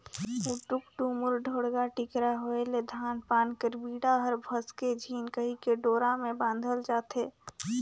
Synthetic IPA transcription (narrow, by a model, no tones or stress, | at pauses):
uʈʊkʈumʊɾɖʱoːɽɡaʈɪkɾaɦoeled̪ʱaːnpaːnkəɾbiːɽaɦəɾbʱəsked͡ʒʱiːnkəɦikeɖoːɾamẽbãːnd̪ʱəld͡ʒaːt̪ɦeː